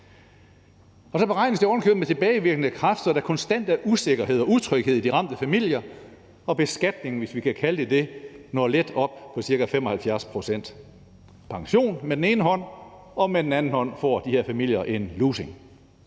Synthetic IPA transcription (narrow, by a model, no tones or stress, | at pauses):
ɒ̽sɒ̽b̥e̝ʁɑ̈ɪ̰nəsd̥eɒn̩kʰøb̥met͡sʰe̝b̥ɛːɪʋiɐɡ̥ənəkʰʁɑfd̥ɐdækʰɒ̽nsd̥æn̰d̥æɐʔuse̝ɡ̥ɐɦe̝ð̰ˠɒ̽uðˠt͡sʰʁœɡ̥he̝ð̞̰ˠid̥iʁɑ̈m̰d̥əfæmil̰jɐ | ɒ̽b̥e̝sɡ̥æd̥ne̝ŋʋe̝sʋikʰækʰæləd̥e̝d̥e̝nɒled̥ɒ̽b̥pʰɒ̽siɐɡ̥æfem̰ɒ̽hælfjæɐspʰʁo̝sen̰d̥ | pʰɑ̈ŋɕo̝̰ːnmed̥ene̝ːnəɦɒ̽n̰ | ɒ̽med̥en̩ænn̩hɒ̽n̰fɒ̰ːd̥ihe̝ɐ̰fæmil̰jɐʔe̝nluːse̝ŋ